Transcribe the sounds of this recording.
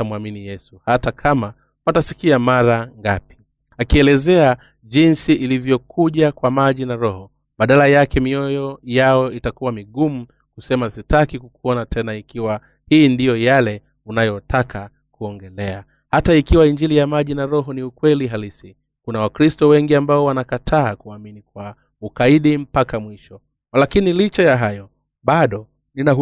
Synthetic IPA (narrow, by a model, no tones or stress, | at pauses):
tamuaminijɛsuhatakʰama | watasi̥kiamaɾaŋɡapi̥ | akiɛlɛzɛa | ʄinsiʔilivjɔkʰuʄakwamaʄinaɾɔhɔ | ɓaɗalajakɛmiɔjɔjaɔitakuwamiɠumu | kusɛmasitakikukuɔnatʰɛnaikiwa | hiːndijɔjalɛ | unajɔtakʰa | kuɔŋɡɛlɛa | hataikiwaiɲd͡ʒilijamaʄinaɾɔɦɔniukwɛliɦalisi | kunawakɾistɔwɛŋɡiambaɔwanakatʰaːkuaminikwa | ukaiɗim̩pakamwiʃɔ | lakinilit͡ʃajaɦajɔ | ɓaɗɔ | nina